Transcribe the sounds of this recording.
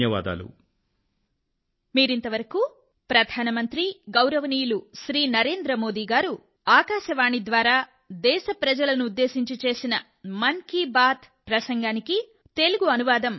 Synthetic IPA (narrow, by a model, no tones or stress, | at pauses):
jɐʋa̰ːd̪a̰ːlṵ | miːɾint̪ɐʋɐɾɐku | pɾɐd̪ʱaːnɐmɐnt̪ɾiɡɐwɾɐʋɐniːjuluʃɾiːnɐɾe̞ːnd̪ɾɐmo̞ːd̪iːɡaːɾu | aːkaːʃɐʋaːɳid̪ʋaːɾaː | d̪ɛːʃɐpɾɐd͡ʒɐlɐnuːd̪ːe̞ːʃiɲt͡ʃit͡ʃe̞ːsinɐ | mɐnkibaːt̪ | pɾɐsɐŋɡaːniki | t̪e̞luɡuɐnuʋaːd̪ɐm